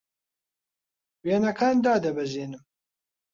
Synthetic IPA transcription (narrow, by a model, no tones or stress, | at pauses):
weːnɐkʰaːnd̪aːd̪ɐbɛʒeːnɨm